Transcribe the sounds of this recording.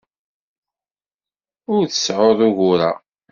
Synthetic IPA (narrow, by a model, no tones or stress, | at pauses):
ʊɾθə̥sʕoðˤʊɣʊɾa̰